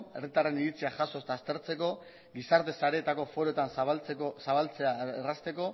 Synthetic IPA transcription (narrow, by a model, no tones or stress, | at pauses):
e̞rit̪are̞niɾit͡siaʝaso̞st̪aːst̪e̞ɾt͡se̞ko̞ | ɡisaɾt̪e̞saɾe̞ːt̪ako̞fo̞ɾoet̪anst͡sekosaβalt͡seaerast̪e̞ko̞